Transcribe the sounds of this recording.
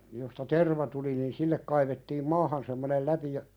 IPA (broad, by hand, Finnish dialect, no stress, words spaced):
jostɑ terʋɑ tuli nin silːek kɑiʋetːiːm mɑːhɑn semːonel læpi jɑ